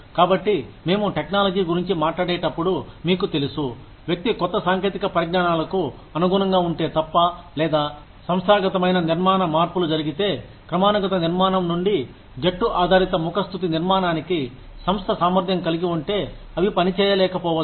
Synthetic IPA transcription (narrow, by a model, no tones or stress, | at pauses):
kaːbɐʈːime̞ːmuʈeknaːlɐd͡ʒiːɡuɾiɲt͡ʃimaːʈlaːɽeːʈɐpːuɽumiːkut̪e̞lusu | ʋjɐk̚t̪ikɔt̪ːɐsaːŋke̞ːt̪ikɐpɐɾɐɡnaːnaːlɐku | ɐnuɡunɐŋɡaːuɳʈe̞ːt̪ɐpːɐlɛːd̪aː | sɐmsaːɡɐt̪ɐmɐjnɐniɾmaːnɐmaːɾpulud͡ʒɐɾiɡit̪e̞ː | kɾɐmaːnuɡɐt̪ɐniɾmaːnɐmnuɳɖi | d͡ʒeʈːuʔaːd̪ʱaːɾit̪ɐmukɐst̪ʰut̪̬iniɾmaːnaːniki | sɐmst̪ʰɐsaːmɐɾd̪ʱjɐmkɐliɡiuɳʈe̞ː | ɐʋipɐnit͡ʃɛːjɐlɛːkɐpɔːʋɐ